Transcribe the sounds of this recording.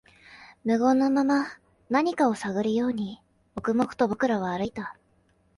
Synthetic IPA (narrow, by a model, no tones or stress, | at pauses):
mɯ̟ɡo̞nːo̞mama | naɲ̟ikao̞saɡɯ̟ɾɯ̟jo̞ːɲ̟i | o̞kɯ̟mo̞kɯ̟̥t̪o̞bo̞kɯ̟ɾaβ̞aːɾɯ̟it̪a